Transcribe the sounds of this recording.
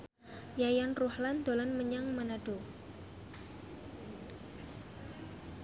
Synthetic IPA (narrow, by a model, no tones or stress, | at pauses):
jajanruhland̪olanməɲaŋmanad̥o